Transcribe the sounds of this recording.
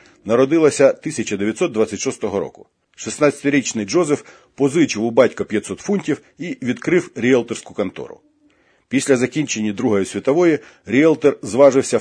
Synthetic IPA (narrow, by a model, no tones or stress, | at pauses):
nɐɾɔd̪ɪlˠɐsʲɐt̪ɪsʲɐt͡ʃɐd̪eʋʲjɐt̪sɔt̪d̪ʋɑt͡sʲːɐtʲʃɔst̪ɔɦɔɾɔ̰kʊ̥ | ʃisnɑt͡sʲɐ̥t̪ɪɾʲit͡ʃnɪjd͡ʒɔzef | pɔzɪt͡ʃɪwʊbɑtʲkɐpʲjɐt̪sɔt̪funʲtʲiw | iʋʲid̪kɾɪwɾʲiɛlˠt̪erskʊkɐnt̪ɔ̰ɾʊ̰ | pʲisʲlʲɐzɐkʲinʲt͡ʃe̞nʲːid̪ɾuɦɔjʊsʲʋʲit̪ɔʋɔji | ɾʲiɛlˠt̪erzʋɑʒɪwsʲɐ